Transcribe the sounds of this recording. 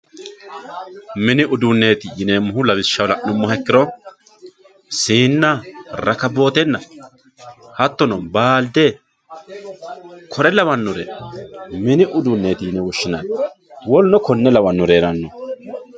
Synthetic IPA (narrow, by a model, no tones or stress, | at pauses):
mɪnɪʔʊd̪ʊnːe̞ːt̪ɪjɪneːmːʊhʊlɐbɪʃːɐwlɐʊmːɔhɛkːɪɾɔ | siːnːaɾɐkɐbo̞ːt̪ɛnːɐ | hɐt̪ːɔnɔbaːld̪ɛ | kʰɔɾɛlɐwɐnːʊɾḛ | mɪnɪʔʊd̪ʊnːeːt̪ɪjɪnɛwɔʃːɪnɐn | wɔlnɔkɔnːɛlɐwɐnːʊɾeːɾɐnːɔ